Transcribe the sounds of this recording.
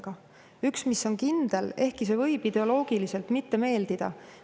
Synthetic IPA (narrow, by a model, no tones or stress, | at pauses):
ɡ̥ɑ | yksmisːo̞nkind̪̥e̞le̞hkˑise̞vɤjb̥id̪̥e̞o̞lo̞ːɡ̥ilise̞lt̪mit̪ːe̞me̞ːld̪̥id̪̥ɑ̰